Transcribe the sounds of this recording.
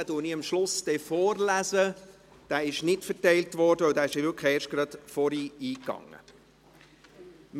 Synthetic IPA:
ədʊniːəmʃlʊsd̥ɛfɔːɾlæzə | d̥æːɪʃnɪtfəɾtɛɪltʋɔɾdəœwdæːɪʃʋʏkχəeːɾʃt̚ɡ̥ɾɑtfɔɾiːiːkːɑ̰ŋə̰ | m

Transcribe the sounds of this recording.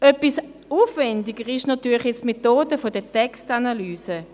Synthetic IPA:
œpisuːfvɛndɪɡəʁɪʃnatyːɐlχjɛt͡stmetoːdəfodətɛkstanalyːsə

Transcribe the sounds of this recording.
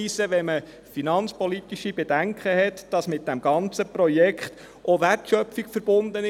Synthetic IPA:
isəʋɛmə | finɑnt͡spɔlit̪iʃibed̥æŋkχəɦɛt̪d̥ɑsmɪt̚d̥æmɡɑnt͡səprɔjɛkχt̪ | ʔoʋærtʃœpfiɡfəɾb̥ʊnd̪ənɪ

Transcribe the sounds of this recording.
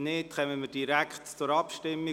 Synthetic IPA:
nɪtχœməməd̥iɾækχtt͡sʊɾɑpʃtɪmːi

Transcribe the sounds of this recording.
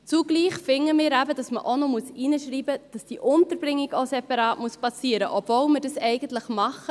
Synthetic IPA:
t͡suɡ̥liːχfɪŋːəmɪːɾæbəd̥ɑsməʔonɔmuəsinəʃɾiːbəd̥ɑsd̥iːʔʊntəɾbɾɪŋːiɡosɛpɑɾɑːtmuəspɑsiːəɾə̰ʔɔbvolmədɑsɛɪɡəntləχmɑχə

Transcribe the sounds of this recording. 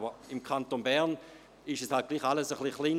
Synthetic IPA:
bəɪmkʰantonbɛɐn | ɪʃɛshalt̚ɡ̥liːχaləsəχliχliːn

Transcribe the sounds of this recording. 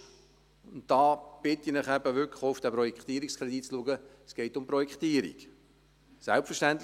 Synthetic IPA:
ʊntdɑːb̥ɪtinɪχæb̥əʋʏkoʊfd̥æpɾɔjɛkχt̪iːəɾikskɾɛdit̚t͡sluəɡə | sɡ̥ɛɪtʊmprɔjɛkχt̪iːəɾḭk | sɛlpfəʃtænt̪l

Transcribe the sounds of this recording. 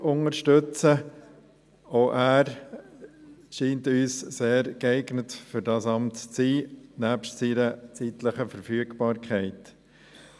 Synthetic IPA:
ʊŋəɾʃtʏt͡sə | oʔæːɾ | ʃiːntyːsseːɾɡɛɪɡnətfʏɾdɑːsɑmtt͡siːnæːpʃtsiːɾət͡sitləχəfəɾfyːəɡb̥ɑːɾkʰχɛɪt

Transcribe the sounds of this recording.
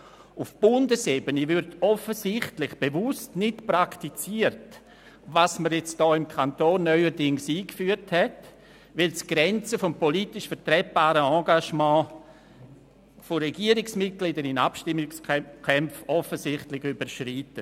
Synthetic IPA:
ʊfb̥ʊndəseːbənəvʏɾdɔfəsɪχtlɪχb̥evʊstnɪtpɾaktit͡siːəɾt | vasməɾjɛt͡std̥ɔːɪmkʰantoːnːœʏəɾdɪŋsiːkfyːəɾthɛt | vɪlsɡ̥ɾɛnt͡səfɔmpɔlitɪʃfəɾtɾɛt̚b̥aːɾəɑ̃ːɡaʃmɑ̃ː | foɾɛɡiːəɾɪksmɪt̚ɡ̥lidəɾɪnapʃtɪmːɪskʰɛmfɔfəsɪχtlɪçybəɾʃritə

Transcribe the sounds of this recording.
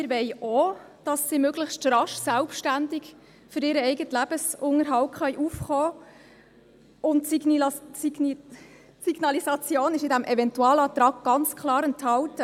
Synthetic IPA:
mɪɾʋɛjɔːd̥ɑsːimøɡləχstrɑʃtsælpʃtændɪk | fʏɾɪːɾəɛɪɡətlæb̥əsʊŋəɾɦɑwtχœjʔufχɔː | ʔʊnt | siɡ̥nɑlisɑt͡sjoːnɪʃɪdæmʔɛvɛntuɑːlɑt̪ɾɑɡɡ̥ɑnt͡skʰlɑːɾənthɑltə

